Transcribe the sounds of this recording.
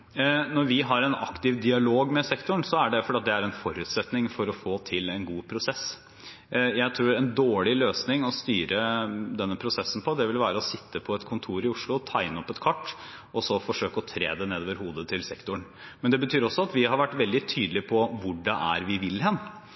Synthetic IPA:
nɔɾʋɪɦɑɾɛnɑ̰kt̪ɪʋd̪ɪɑloːɡmɛsɛkt̪ʊɳsɔæɖɛfɔɾɖɛːɑt̪̚d̪ɛæɾɛnfɔɾʉːt̪sɛt̪nɪŋfɔɾɔfoːt̪ʰɪlɛnɡuːpʰɾʊsɛs | jæɪt̪ʰɾuːɾɛnd̪oːɭɪløːsnɪŋɔst̪yːɾəd̪ɛnːəpʰɾʊsɛsːn̩pʰɔd̪ɛʋɪlʋæːɾəɔsɪt̪ʰːəpʰɔɛt̪kʰʊnt̪ʰuːɾɪʊʂɭʊt̪ʰæɪnəɔpːɛt̪kʰʋɑʈː | ɔsɔfɔʂøːkəɔt̪ʰɾḛːd̪ɛneːd̪oːʋəɾhuːd̪ət̪ʰɪlsɛkt̪ʊɳ | mɛnd̪ɛbət̪ʰyːɾɔsːɔɑt̪ʋɪhɑɾʋæʈːʋɛld̪ɪt̪ʰyːd̪əlɪpʰɔʋʊɖɛʔæ̰ɾʋɪʋɪlhɛnː

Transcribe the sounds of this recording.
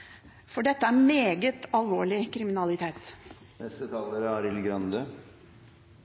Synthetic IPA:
fɔɖɛt̪ːəæɾmeːɡət̪ɑlʋoːɭɪkʰɾɪmɪnɑlɪt̪ʰeːt̪ | nɛst̪ət̪ʰɑːləɾɑːɾɪlɡɾɑnd̪ø

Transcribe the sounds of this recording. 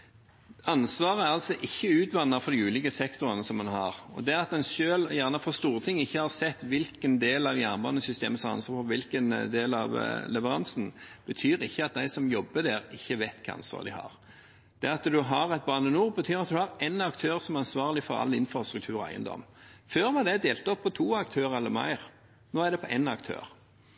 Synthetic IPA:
ɑnsʋɑːʁəɑlsɔʔɪçːəʉːt̪ʋɑnːəɾfɔɾd̪ɪʉːlɪkəsɛkt̪ʊɾənəsɔmɛnɦɑ̰ʁɔ̰d̪ɛɑt̪̚d̪ɛnʃøːljæʁnəfɔʁst̪uːʁət̪ʰɪŋːəɪçːəhɑʁsɛt̪ːʋɪlkənd̪eːlɑʋjæːʁnbɑnːəsʏst̪ḛːməsɔmɑ̰nsʋɑːfɔʋɪlkənd̪eːlɑʋlɛʋəɾɑnsn̩b̥ət̪ʰyːɾɪçːəɑt̪̚d̪æɪsɔmjɔbːəd̪æːɾɪçːəʋæɪt̪kʰɑ̰ɑ̰nsɑ̰ʁd̪ɪhɑ̰ʁ | d̪̥ɛɑt̪d̪ʉɦɑɾɛt̪̚bɑːnənuːʁbət̪ʰyːɾɑt̪̚d̪ʉhɑʁɛnɑkt̪ʰøːʁsɔmæɾɑnsʋɑːʁlɪfɔɾɑ̰lːɪnfɾɑst̪ɾʉk̚t̪ʰʉːɾɔæ̰ɪə̰nd̪ɔ̰mːføːɾmɑd̪æɪd̪eːlt̪ɔpːɔt̪ʰuːɑkt̪ʰøːʁəɛlːəɾmæ̰ɪʁ | noːæʁd̪ɛpʰɔʔɛnɑkt̪ʰø̰ːɾ

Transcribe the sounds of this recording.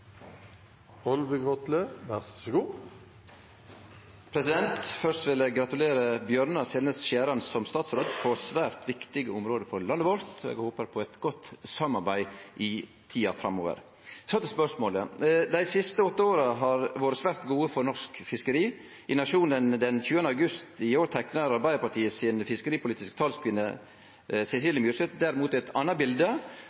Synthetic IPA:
ɔlʋəɡʁɔt̪ləʋæʁsɔɡuː | pʰɾɛsɪd̪ɛnt̪fœɾʂt̪ʋɪlɛɡɾɑt̪ʉleːɾəbjœɾnɑsɛlnəsʃæːɾɑnsɔmst̪ɑːt̪sɾoːd̪pʰɔsʋæːɾt̪ʰʋɪkt̪ɪɡəʊmɾoːd̪əfɔɾɭɑnd̪ʋɔlt̪ḛːɡhoːpəɾpʰɔɛt̪ɡɔt̪sɑmːɑɾbæɪʔɪ | t̪ʰiːɑfɾɑmoːʋə̰ɾ | sɔt̪ɛspœʂmoːləd̪æɪsɪst̪əɔt̪ːəoːɾɑɦɑɾʋoːɾəsʋæɾt̪ɡuːəfɔɾnɔʂkfɪskəɾiː | ʔɪnɑʂuːnənd̪ɛnçʉːənəɑɡʉst̪ɪoːɾt̪ʰæknəɾɑɾbæɪəɾpɑʈʰiːəsɪnfɪskəɾiːpʰʊliːt̪ɪskt̪ʰɑːlskʰʋɪnːə | sɛsiːləmjʉːɾʂsɛt̪d̪æɾɪmuːt̪ɛt̪ʰɑnːɑbɪld̪ə

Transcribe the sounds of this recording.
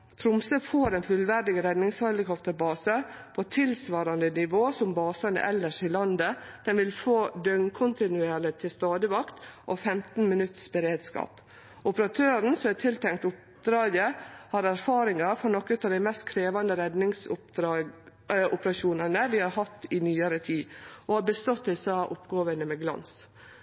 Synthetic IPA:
t̪ʰɾʊmsəfoːɾɛnfʉlʋæɾd̪ɪɡəɾɛd̪nɪŋshɑlɪkɔpt̪əɾbɑːsəpʰɔt̪ʰɪlsʋɑːɾɑnd̪ənɪʋoːsɔmbɑːsɑnə̰ʔɛlːəʂɪlɑnd̪əd̪̥ɛnʋɪlfoːd̪œŋkʰʊnt̪ɪnʉeːɾɭɪt̪ʰɪlst̪ɑːd̪əʋɑkt̪ʔofɛmt̪n̩mɪnʉt̪ːsbəɾeːd̪skɑ̰ːp | ʔʊpɾɑt̪ʰøːɾən̩sɔmæt̪ʰɪlt̪ʰɛŋt̪ʊp̚ | d̪ɾɑːɡəhɑɾæɾfɑːɾɪŋɑfɾɔnɔkːʉt̪ɑʋd̪æɪmɛst̪kʰɾeːʋɑnd̪əɾɛd̪nɪŋsʊ̥ɾɑ | ʔʊpəɾɑʃuːnənəʋɪhɑɾhɑt̪ːɪnyːəɾət̪ʰiːʔɔhɑɾbəst̪ɔt̪ːɛɪsɑːʔʊpɡoːʋənəmɛɡlɑ̰ns

